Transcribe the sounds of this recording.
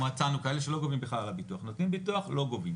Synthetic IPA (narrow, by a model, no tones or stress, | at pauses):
at͡sanukae̞leʃe̞lo̞ɡovimbeχlalalabituaχnot̪nimbituaχlo̞ɡovim